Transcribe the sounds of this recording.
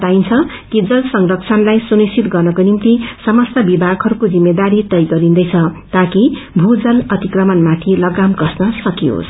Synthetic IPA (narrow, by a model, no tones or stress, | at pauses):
t̪aint͡sʰʌ | kid͡zʌlsʌŋrʌk̚t͡sʰʌnlajsunisʰit̪ɡʌrnʌkonimt̪isʌmʌst̪ʌbibʱaɡɦʌɾukod͡zimːed̪aɾit̪ʌjɡʌɾind̪ʌjt͡sʰʌt̪akibʱud͡zʌlʌt̪ikrʌmʌnmat̪ʰilʌɡamkʌsnʌsʌkio̰s